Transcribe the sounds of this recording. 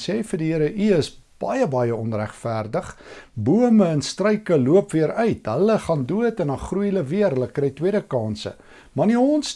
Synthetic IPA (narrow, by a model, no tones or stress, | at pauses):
sɛːfərdiiəɾəʔiəs | b̥ɐjəbɐjəɔnræχfærdəχbuəməənstrœɥkəluəpviəɾœɥtɦələχɑnduətənɑχrujləviərɦələkrɛjtwiədəkɑːnsə̰ | mɑniɔns